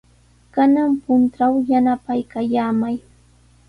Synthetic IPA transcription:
kanaŋpʊnt̪awjanapajkajaːmaj

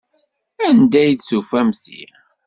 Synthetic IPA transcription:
ænd̪æjd̪sufæmsḭ

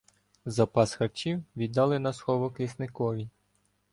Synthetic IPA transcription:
zɐpɑsxɐt͡ʃiwʋʲid̪ɑlˠɪnɐsxɔʋɔklʲisnɪkɔʋʲi

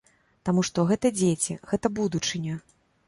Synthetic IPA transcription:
t̪amuʂt̪ɔɣɛt̪ɐd͡zʲet͡sʲḭɣɛt̪ɐbud̪ut͡ʂɨnʲɐ

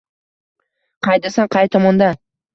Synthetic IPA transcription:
qʰɑjd̪asɑɴqʰɑjt̪ʰɒmɒnd̪ɑ

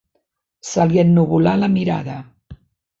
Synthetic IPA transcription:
salienːuβulaləmiɾa̰ðə

